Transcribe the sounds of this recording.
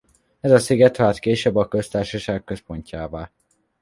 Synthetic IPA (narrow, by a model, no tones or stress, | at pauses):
ɛzɒsiɡɛt̪haːt̪keːʃɛbːɒkø̞st̪aːrʃɒʃaːɡ̚kø̞spo̞ɲcaːvaːl